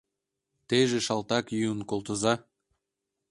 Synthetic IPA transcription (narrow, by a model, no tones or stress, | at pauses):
t̪eʒĕʃɑlˠt̪ɑkjyənkolˠt̪ɤ̆zɑ